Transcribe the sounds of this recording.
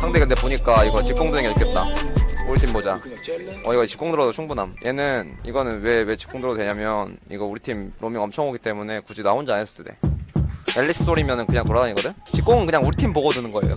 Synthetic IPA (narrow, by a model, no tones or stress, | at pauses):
sʰaŋdeɡɯntepoɲik͈aiɡʌt͡ɕik͈̚oŋdɯɾeŋɡeiɭk͈et̚t͈a̰uɾitʰimbod͡ʑaʌiɡʌt͡ɕi̥k͈oŋdɯɾʌdot͡ɕʰuŋbunɦamjʔe̞nɯniɡʌnɯnwe̞we̞t͡ɕi̥k͈oŋdɯɾʌtwe̞ɲamjʌnḭɡʌuɾitʰimɾʔomiŋʌmt͡ɕʰʌŋoɡit͈e̞mune̞kud͡ʑidaond͡ʑianes͈ʰʌ̥s͈ʰde̞̰ | eʎːis͈ʰɯ̥s͈ʰoɾimjʌnɯnkɯɲaŋtoɾadaɲiɡʌdɯt͡ɕik͈oŋɯnkɯɲaŋuɭtʰimboɡʌdunɯnɡʌe̞̰jo̰